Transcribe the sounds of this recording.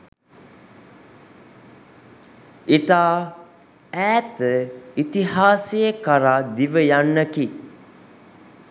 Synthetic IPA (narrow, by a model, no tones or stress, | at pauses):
it̪aː | æːt̪əit̪iɦaːsijəkəɾad̪iʋəjanːəki